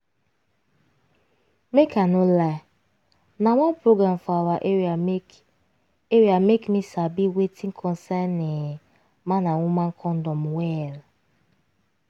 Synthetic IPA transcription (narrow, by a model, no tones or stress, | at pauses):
mekʰanola | naŋʷanpɾoɡɾam̩faɾaʔ | eɾiamekmisabiwetĩŋ̩kʰɔ̃nsɛnːe | manaŋʷʊmaŋ̩kʰɔn̩dɔmwɛl